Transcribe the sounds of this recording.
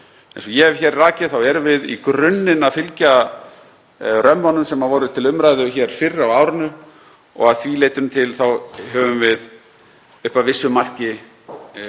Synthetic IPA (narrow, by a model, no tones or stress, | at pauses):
ɛ̰̃nsɔjɛvçɛːɾraːcɪθawɛɾvɪðḭkɾʏnːɪnafɪlca | rœmːanːʏmsɛmavɔːɾʏt̪ʰɪlʏmɾajðʏçɛɾ̥fɪrːawaːwɾɪnʏ | ɔ̰ɣaðθvileːjt̪ʏnt̪ʰɪlθawɦœvʏmvɪð | ʏhpavɪsːʏmar̥cɪ